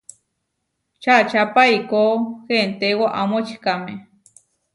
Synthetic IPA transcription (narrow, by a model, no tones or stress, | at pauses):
t͡ʃʰat͡ʃapaikohent̪ewaʔamot͡ʃi̥kame